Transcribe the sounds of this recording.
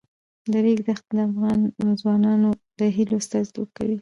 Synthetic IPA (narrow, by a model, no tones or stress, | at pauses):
d̪əɾiɡzaxt̪̚d̪əafɣɑnzwɑnɑnod̪əɦilost̪azlṵka̰wi